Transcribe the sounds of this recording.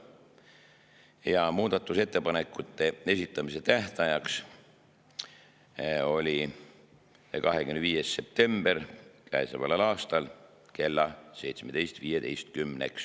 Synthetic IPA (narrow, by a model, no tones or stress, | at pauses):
jɑmuːd̪̥ɑt̪ːˑuse̞t̪ːe̞pɑnekːˑut̪ːˑe̞e̞sʲit̪ˑːɑmise̞t̪æht̪ɑjɑks | o̞lʲi | kɑɦekymnviːjesse̞p̚t̪e̞mb̥eɾkæesɑvɑ̰lɑlɑːst̪ɑl | ke̞lːɑse̞jt̪smed̪̥e̞jst̪viːjed̪e̞jst̪̚kymnḛks